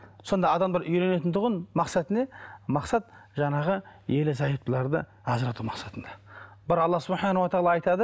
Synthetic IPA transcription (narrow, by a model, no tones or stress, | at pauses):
so̞nd̪ɑːd̪ɑmd̪ɑɾʔʏjle̞ne̞t̪ɪnt̪ʰʊʁənmɑqsɑt̪ɪne̞mɑqsɑt̪ʒɑɴɑʁəjelɪzɑjəp̪̚pəlˠɑɾd̪ə̰ | ɑzəɾɑt̪umɑqsɑt̪ənd̪ɑbɪɾɑlˠːɑsʊbħɑnawat̪aɑlˠɑɑjt̪ɑd̪ə